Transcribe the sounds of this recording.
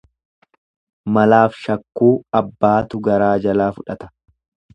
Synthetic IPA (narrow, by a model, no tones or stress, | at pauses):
mɐlaːfʃɐkːuːɐbːaːt̪ʊɡɐɾaːd͡ʒɐlaːfʊᶑɐt̪ɐ̥